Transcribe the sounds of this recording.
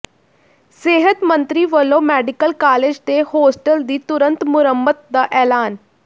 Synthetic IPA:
seːɦət̪mənt̪ɾiːʋəlːõːmɛːɖɪkəlkaːleːd͡ʒd̪ehoːsʈəld̪iːt̪ʊɾənt̪mʊɾəmbət̪̚d̪aːʔɛːlaːn

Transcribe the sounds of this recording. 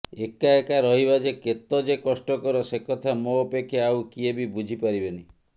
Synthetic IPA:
ekaekaɾɔɦiβad͡ʒeket̪ɔd͡ʒekɔsʈɔkɔɾɔsekɔt̪ʰamoːpekʰːjeawkiebibud͡ʒʱipaɾibeni

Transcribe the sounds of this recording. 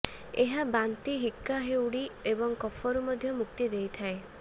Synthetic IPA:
eɦabant̪iɦikːaɦewɽiebɔŋkɔpʰɔɾumɔd̪ʱjɔmukt̪id̪ejt̪ʰae

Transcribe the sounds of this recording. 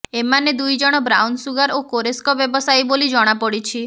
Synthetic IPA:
emaned̪ujd͡ʒɔɽ̃ɔbɾawnsuɡaɾokoɾeskɔbjɔbɔsajbolid͡ʒɔɽ̃apɔɽit͡ʃʰi

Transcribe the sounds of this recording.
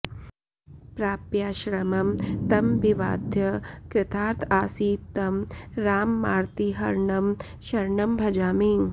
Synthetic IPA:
pɾaːpjaːʃɾɐmɐmt̪ɐmʋiʋa̰ːd̪ʱjɐkɾɪt̪ʰaːɾt̪ʰaːsiːt̪ːɐmɾaːmːaːɾt̪iɦɐɾɳɐm | ʃɐɾɳɐmbʱɐd͡ʒaːmiŋ

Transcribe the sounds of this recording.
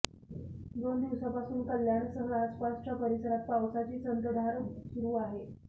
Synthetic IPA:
d̪ond̪iʋsapasuːnkəljaɳsəɦəɾaspast͡ɕapəɾisəɾat̪̚paʋsat͡ɕiːt͡sənd̪ɾəd̪ʱaɾsuɾuːaɦe

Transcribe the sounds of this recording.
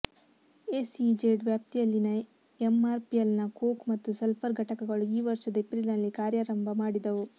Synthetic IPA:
esid͡ʒeːɖʋjaːp̚t̪ijɐlːinɐ | emaːɾpijelnɐkoːkmɐt̪ːusɐlpʰɐɾɡʱɐʈɐkɐɡɐɭuiːʋɐɾʂɐd̪ɐepɾilnɐlːikaːɾjaːɾɐmbʱɐmaːɽid̪ɐʋu

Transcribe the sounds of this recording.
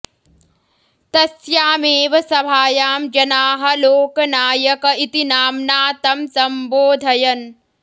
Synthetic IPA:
t̪ɐsjaːmeːʋɐsɐbʱaːjaːmd͡ʒɐnaːɦɐloːkɐnaːjɐkɐit̪inaːmnaːt̪ɐmsɐmboːd̪ʱɐjɐn

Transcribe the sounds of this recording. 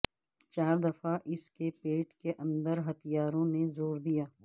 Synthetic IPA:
t͡ʃaːɾd̪ɐfaʔɪskepeːʈkeʔɐ̃nd̪əɾɦɐt̪ijaːɾõnezoːɾd̪ijaː

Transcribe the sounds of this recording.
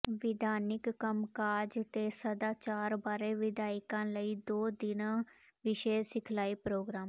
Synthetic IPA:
ʋɪd̪ʱaːnɪkːəmkaːd͡ʒt̪eːsəd̪aːt͡ʃaːɾbaːɾeːʋɪd̪ʱaːɪkãːləiːd̪oːd̪ɪnãː | ʋɪʃeːd͡ʒsɪkʰlaːipɾoːɡɾaːm

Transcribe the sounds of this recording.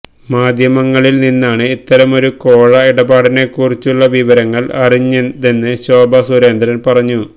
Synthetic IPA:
maːd̪ʱjɐmɐŋːɐɭilninːaːɳɨit̪ːɐɾɐmo̞ɾuko̞ːɻɐiɽɐbaːɽine̞kurit͡ɕːuɭːɐʋiʋɐɾɐŋːɐɭɐriɲːend̪enːɨɕo̞ːbʱɐsuɾeːnd̪ʱɐɾɐnpɐrɐɲːu

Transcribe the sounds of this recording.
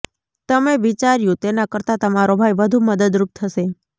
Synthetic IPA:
t̪əmeʋit͡ʃaɾjũt̪enakəɾt̪at̪əmaɾobʱajbəd̪ʱũməd̪əd̪ɾup̚t̪ʰəʃe

